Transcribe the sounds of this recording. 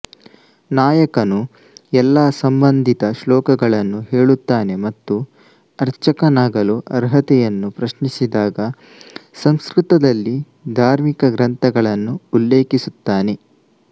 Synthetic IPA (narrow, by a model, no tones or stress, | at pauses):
naːjɐkɐnu | ɛlːaːsɐmbɐnd̪ʱit̪ɐʃlɔːkɐɡɐɭɐnːuɦeːɭut̪ːaːne̞mɐt̪ːu | ɐɾt͡ʃɐkɐnaːɡɐluʔɐɾɦɐt̪ɛjɐnːupɾɐʃnisid̪aːɡɐ | sɐmskɾɯt̪ɐd̪ɐlːi | d̪ʱaːɾmikɐɡɾɐnt̪ʰɐɡɐɭɐnːuːlːeːkisut̪ːaːne̞